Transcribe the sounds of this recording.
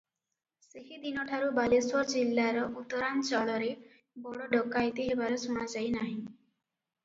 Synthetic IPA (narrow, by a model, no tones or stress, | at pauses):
seɦid̪inɔʈʰaɾubaleswɔɾd͡ʒilːaɾɔʔut̪ɔɾant͡ʃɔɭɔɾe | bɔɽɔɖɔkːajt̪iɦebaɾɔsuɽ̃ad͡ʒajnaɦĩ